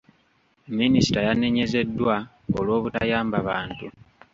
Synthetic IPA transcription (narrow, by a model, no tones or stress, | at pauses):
minisi̥tajane̞ɲe̞ze̞dːwa | olwo̞ːβuta̰jaːmbaβaːntu